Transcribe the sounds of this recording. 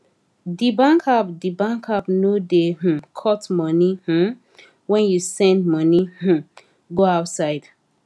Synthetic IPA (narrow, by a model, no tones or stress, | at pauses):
dibãŋkʰapdibãŋkʰapnodem̥̩kʰɔtmɔnih̩ | wɛ̃njusɛ̃ndmʌnih̩ | ɡoaʊtsaɪd̥